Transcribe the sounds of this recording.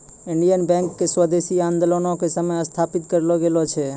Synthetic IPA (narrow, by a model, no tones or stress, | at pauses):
ɪɳɖijənbɛ̃ŋkːeswəd̪esiãnd̪olonõkesəmeəst̪ʰapit̪kəɾeloɡelot͡ʃʰe